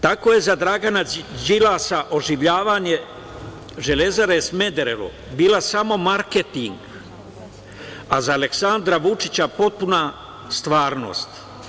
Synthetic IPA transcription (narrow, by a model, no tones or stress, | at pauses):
t̪ako̞je̞zad̪ɾaɡanad͡ʒilaːsaʔo̞ʒiʋʎaːʋaɲe̞ | ʒe̞le̞zaɾesme̞d̪eɾelṵ | biːlasamo̞maɾket̪iŋɡ | azaːle̞ksand̪ɾaʋut͡ʃit͡ɕapo̞t̪̚puna | st̪ʋaːɾno̞̰ːst̪